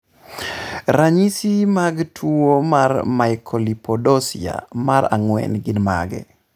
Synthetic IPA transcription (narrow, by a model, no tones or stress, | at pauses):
ɾaɲisimaɡtʰuomarmaɪkʰɔlipɔdɔsia̰maɾa̰ŋwɛ̰nɡɪnma̰ɡɛ̰